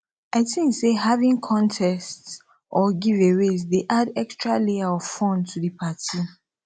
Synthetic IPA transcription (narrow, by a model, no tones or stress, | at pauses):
aɪtĩŋseɦavĩŋkʰɔ̃ntʰɛst | ʔɔɡiveɹesdeʔadɛkstɹaleaɔvfɔ̃ntʰudipʰatʰi